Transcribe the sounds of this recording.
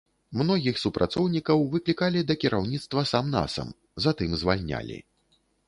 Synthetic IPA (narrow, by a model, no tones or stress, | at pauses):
mnɔɣʲixsupɾʔat̪sɔwnʲikɐwvɨklʲikalʲid̪ɐkʲiɾʔawnʲit̪st̪vɐsamna̰sɐ̰m | zat̪ɨmzvalʲnʲa̰lʲḭ